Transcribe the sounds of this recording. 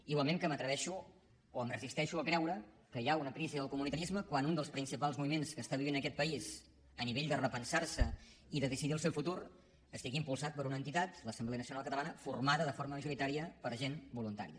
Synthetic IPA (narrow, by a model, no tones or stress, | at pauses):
iwalˠmemkəmət̪ɾəβɛʃu | oəmrəzist̪ɛʃuəkɾɛwɾə | kəjaunəpɾiziðəlˠkumunit̪əɾizməkwanund̪əlˠspɾinsipalˠzmuβimenskəst̪aβiβinəkɛt̪̚pəiz | əniβeʎd̪ərəpənsarsə | iðəðəsiðiəlˠsewfut̪uɾ | əst̪iɣiːmpulˠsat̪̚pəɾunəːnt̪it̪at̪ləsəmbleənəsiunalˠkət̪əlˠanəfurmaðəðəfoɾməməʒuɾit̪aɾiəpəɾʒenbulunt̪a̰ɾiə